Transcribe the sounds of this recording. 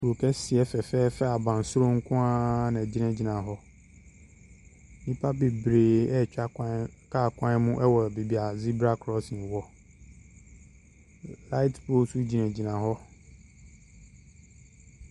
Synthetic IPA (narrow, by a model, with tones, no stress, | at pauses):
ko˨kʰɛ˦sɪ˨ɛ˨fɛ˨fɛː˦fɛ˦a˨bã˨n˨sʊ˦ɾo˦ŋ̩˦kʰʊ̃˦ã˦nã˨d͡ʑi˦nɛ̃˦d͡ʑi˨nã˨ɦɔ˦ | nĩ˦pʰa˦be˨bɾeː˨ɛ˦˨t͡ʃᶣa˦kã˦kʰa˦˨kʷʰã˦n˦mʊ̃˦ʔɛ˦wɔ˨be˨bi˨a˨zi˦bɾa˦kʰɾɔ˦snɪ̃˨wɔ˨˦ | la˦i˦tpʰo˦su˦d͡ʑi˨nɛ̃˨d͡ʑi˨nã˨ɦɔ˦